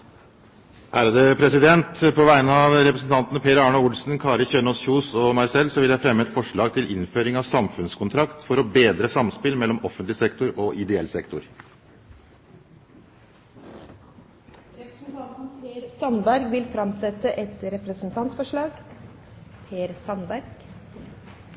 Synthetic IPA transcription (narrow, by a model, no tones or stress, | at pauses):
ʔæːɾəd̪əpʰɾɛsɪd̪ɛnt̪pʰɔʋæɪnəɑʋɾɛpɾəsn̩t̪ɑnt̪ənəpʰeːɾɑːɳɑʊlsn̩kʰɑːɾəçøːnoːsçuːsɔmæɪsɛlsɔʋɪljæɪfɾɛmːəɛt̪fɔʂɭɑːɡ̚t̪ʰɪlʔɪ̰nføːɾɪŋɑʋsɑmfʉnskʰʊnt̪ʰɾɑkt̪fɔɾɔbeːd̪ɾəsɑmspɪlmɛlːɔmɔfənt̪lɪsɛkt̪ʊɾɔʔɪd̪ɛɛlsɛkt̪ʊɾ | n̩pːɾsɑnbæɾɡʋɪlfɾɑmsɛt̪əʔɛt̪ɾɛpɾəsn̩t̪ʰɑnt̪fɔʂɭɑːɡ | pʰeːɾsɑnbæɾɡ̥